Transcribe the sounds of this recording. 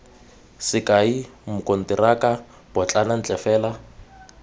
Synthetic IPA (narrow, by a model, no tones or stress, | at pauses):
sɪkaimʊkʼon̩tiraka | b̥ɔt͡ɬʼanan̩t͡ɬʼɛfɛːla